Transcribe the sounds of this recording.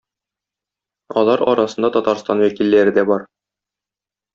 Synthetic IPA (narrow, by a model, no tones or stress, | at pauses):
ɒlˠɑɾɒɾɑsɤ̆nd̪ɑt̪ɒt̪ɑɾst̪ɑnwækilːæɾɘd̪æbɒɾ